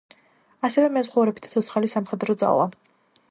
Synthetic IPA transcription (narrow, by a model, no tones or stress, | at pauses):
asɛvɛmɛzʁɔvɾɛbi̥t̪ʰt̪ʰɔt̪sʰχalisamχɛd̪ɾɔd̪za̰lˠa